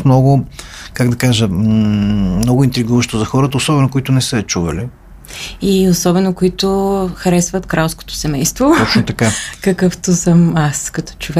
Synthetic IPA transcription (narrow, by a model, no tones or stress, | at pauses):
t̪mnɔɡʊkaɡd̪ɐkaʒə | mnɔɡʊint̪ɾiɡuvəʃt̪ozɐxɔɾət̪əosɔbɛnokoit̪ʊnɛsəɛt͡ʃuvɐ̰li | iosɔbɛnokoit̪oxɐɾɛsvɐt̪kɾalˠsko̥t̪o̥sɛmɛjst̪vot̪ɔt͡ʃnot̪ɐkakɐkɤft̪osəmaskɐt̪ɔ̥t͡ʃovɛ